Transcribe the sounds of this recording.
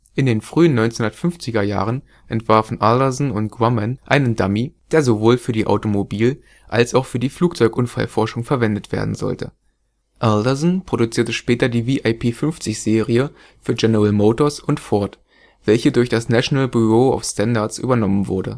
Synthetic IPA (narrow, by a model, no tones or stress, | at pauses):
ʔɪndeːnfʁ̥yːənːɔʏnt͡senhʊndɐtfʏnft͡sɪɡɐja̰ːʁən | ʔɛntv̥aɐfn̩ʔaldɐzn̩ʊntɡ̥ʁamanʔaɪnəndamid̥eːɐzovoːlfyːɐdiːʔa̰ʊtomobiːl | ʔalsaʊxfyːɐdiːfluːk̚t͡sɔʏkʔʊnfa̰lfɔɐʃʊŋfɛɐvɛndətv̥ḛːɐdn̩zɔ̰ltʰə̰ | ʔaldɐzn̩pʁ̥oɾut͡siːɐtəʃpɛːtɐdiːviːʔaɪpʰeːfʏnft͡sɪçz̥eːʁiə | fyːɐɡɛnəʁɛlmoːtoɐsʊntfɔɐt | v̥ɛlçədʊɐçd̥asnaʃonalbyʁoːa̰ʊfstʰandaɐtsʔy̰ːbɐnɔmənvʊɐdə̰